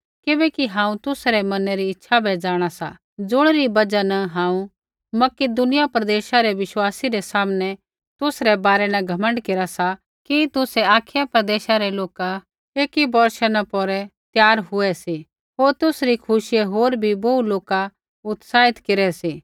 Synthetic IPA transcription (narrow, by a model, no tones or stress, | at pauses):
kɪbɛkiɦãːũt̪ʊsɾɛmɐnɛɾiɪtːʃʰabʱɛːd͡zaːɽ̃asa̰ | d͡zʊɽ̃ɾibɐd͡ʒanɐɦãːũ | mɐkɪd̪ʊnɪjapɾɐd̪eːʃaɾɛʋɪʃwaːsiɾɛsaːmnɛ | t̪ʊsɾɛbaːɾɛnɐɡʱɐmə̃ɳɖkeːɾasa | kit̪ʊsɛaːkʰjapɾɐd̪eːʃaɾɛloːka | eːkibɔɾʃanãpɔɾɛt̪jaːɾɦʊɛsi | ɦoːɾt̪ʊsɾikʰʊʃɪjeɦoːɾbʱibouloːka | ʊt̪saːɪt̪keɾɛsiː